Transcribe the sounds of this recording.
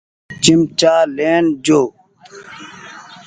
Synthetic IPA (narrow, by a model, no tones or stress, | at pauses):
t͡ɕimt͡ɕaːleːnd͡ʑoː